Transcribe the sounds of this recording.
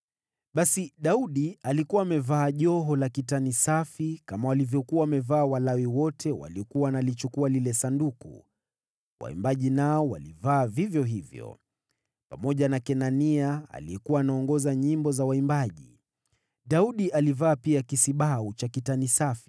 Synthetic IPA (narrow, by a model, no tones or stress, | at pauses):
ɓasiɗauɗialikuwaːmɛvaːʄɔɦɔlakitanisafikamawalivjɔkuwaːmɛvaːwalawiwɔtʰɛwa̰liɔkuwanalit͡ʃukualilɛsandukṵ | wa̰ḭmbaʄinaɔwa̰livaːvivjɔɦivjɔ̰ | pamɔʄanakɛnaniaa̰liɛkuwaːnaɔŋɡɔzaɲimbɔzawaimbaʄi | ɗauɗiʔalivaːpiakisiɓaut͡ʃakitanisafi̥